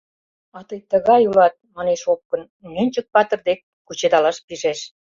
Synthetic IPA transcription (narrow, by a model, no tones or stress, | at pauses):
ɑt̪ɤjt̪ə̆ɣɑjulɑt̪̚mɑneʃop̚kə̆n | nenʲt͡ɕə̆k̚pɑt̪ə̆rd̪ek̚ːut͡ɕed̪ɑlɑʃpiʒeʃ